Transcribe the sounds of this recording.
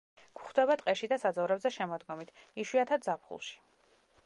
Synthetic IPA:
ɡ̥χd̪̥ɛβat̪ʼqʼɛʃid̪asad̪zɔvɾɛbzɛʃɛmɔd̪ɡɔmit̪ʰiʃwiat̪ʰad̪zapʰχṵlˠʃi̥

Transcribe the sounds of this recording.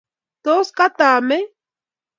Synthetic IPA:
t̪oskat̪aːmɪ

